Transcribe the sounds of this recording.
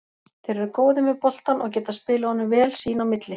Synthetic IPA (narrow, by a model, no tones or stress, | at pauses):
θɪjɾɛɾʏkoːwðɪmɛðpɔl̥t̪anɔɣc̬ɛːt̪aspɪːlaɔnːʏvɛːlsiːnawmɪt̪lɪ